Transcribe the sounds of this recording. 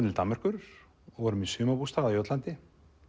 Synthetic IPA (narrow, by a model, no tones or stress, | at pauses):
t̪ɪlt̪amːar̥kʏɾ | ɔɣvɔɾʏmisʏːmapust̪aːɣðajœt̪lant̪ɪ